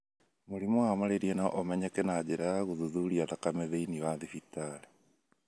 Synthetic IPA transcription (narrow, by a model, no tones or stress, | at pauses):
muɾimɔwamaɾeɾiɛna̰ʔomɛɲɛkɛnad͡ʑeɾaɣuðuðuɾiaðakamɛðeiniwaðifitale